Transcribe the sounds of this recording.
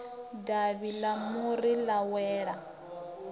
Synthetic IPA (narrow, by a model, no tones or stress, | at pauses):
daβilamuɾilawɛːɺa